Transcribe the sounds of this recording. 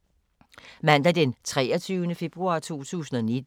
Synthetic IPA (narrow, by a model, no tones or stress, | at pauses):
mæn̰d̥æd̥ent͡sʰʁɛːɐt͡sʰyːʊnəfe̝b̥ʁuɑ̈ːt͡sʰo̝̰ːt͡sʰṵːsn̩ɒ̽ned̥